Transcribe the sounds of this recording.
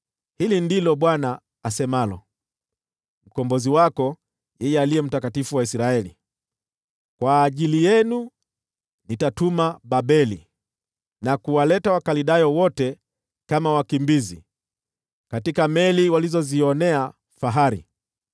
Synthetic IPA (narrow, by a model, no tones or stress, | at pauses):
hilindilɔɓwana | asɛmalɔ̰ | m̩kɔmbɔziwakɔ | jɛjɛaliɛm̩takatifuwaisɾaɛlḭ | kwaːʄilijɛnu | nitatumaɓaɓɛlḭ | nakuwalɛtawakaliɗajɔwɔtɛ | kamawakimbizi | katikamɛliwalizɔziɔnɛa | faɦaɾḭ